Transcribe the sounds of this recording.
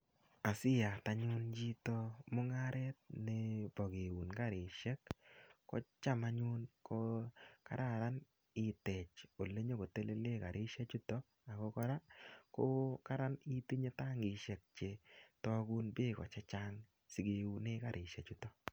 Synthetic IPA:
a˨sɪ˦ja˨ta˨ɲʊ˦nd͡ʒi˦tɔ˦mʊ˦ŋa˦ɾʔɛ˦t̚ne˨b̥ɔ˨ɡe˨wu˨nka˦ɾɪ˨ʃɛ˦kːɔ̰˦t͡ʃa˦ma˦ɲu˦nkɔ˦ka̰˨ɾa˦˨ɾa˦n | ɪ˨tɛ˨t͡ʃo˨le˦ɲo˦ko˨te˦le˦le˦ka˨ɾʔɪ˦ʃa˦t͡ʃu˦tɔ˦ | a˨kɔ˦kɔ˦ɾa˦ko˦ka˦ɾa˦ni˦ti˦ɲe˦ta˦ŋɪ˨ʃɛ˨k̚t͡ʃe˨tɔ˦ɡu˦nbɪ˦kɔ̰˨t͡ʃa˦t͡ʃa˦ŋ | si˨ɡe˨u˨ne˦ka˨ɾʔɪ˨ʃa˨t͡ʃu˦tɔ˦

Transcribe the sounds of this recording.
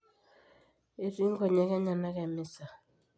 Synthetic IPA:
e˨ɾi˦ŋ˦kɔ˨ɲɛ˨˦kɛ˦ɲa˨na˦kɛ˨mɪ˦sa˨

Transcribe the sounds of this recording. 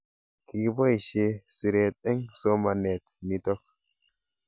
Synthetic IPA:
ki˨bo˦i˨ʃe˧si˨ɾe˨t̪ʼɛ˦ŋso˦ma˨ne˨t̪mi˨t̪ɔ˦k̚

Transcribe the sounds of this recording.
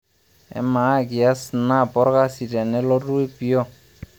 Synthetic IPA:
ɛ̰˨ma˨˦ɡi˨a˦sna˦˨pɔ˦ɾka˦si˨tɛ˨nɛ˦lɔ˦du˦e˦pi˦ɔ˦

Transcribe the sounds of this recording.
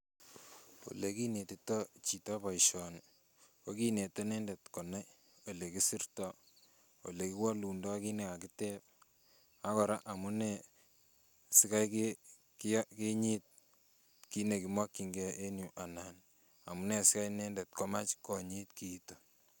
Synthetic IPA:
o̰˨le˦ki˦ne˨ti˨tɔ˦t͡ʃi˨tɔ˦pɔ˨iʃɔ˨n | ko˦ki˦ne˨to˦nɛ˦nde˨tko˨na˦j | o˨le˨ki˦si˦rtɔ˦ | o̰˨le˨ki˦wɔ˦lu˨ndɔ˦ki˦ne˦˨ka˨kite˦p̚ | a˦kɔ˨ɾa˦ʔa˨mu˦ne˨ | si˦ka˦jke | kke˦ɲi˦t̚ | ki˦ne˨ki˨mwɔ˦kːi˨ŋɡe˦ʔe˦nju˨ʔa˨nan | a̰˨mu˦ne˨si˦ka˦jne˦nde˨tko˦ma˦t͡ʃkɔ˨ɲi˦tkiːto

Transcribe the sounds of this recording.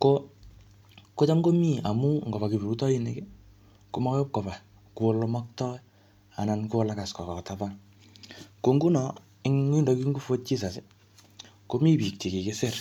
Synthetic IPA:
ko | ko˦t͡ʃa˦mɡo˦mi˦a˨mu˦ŋɡo˨βa˨ki˨biɾu˦tɔ˦i˦ne˨ke˦ | ko˦mɔ˦kjo˦p̚ko˨ba˨ | ku˨o˦lo˦mɔ˦k̚tɔ˦j | a˨na˨nko˦la˦ka˨skɔ˨kɔ˨tapa˦ | ko˨ŋɡu˦nɔ˨ | ɪ˦ŋwi˦ndɔ˨˦ki˦ŋɡu˦fo˦t̚t͡ʃi˦s̬a˨se˦ | ko˦mi˦pi˨k̚ti˨ke˨ke˦se˦˨r

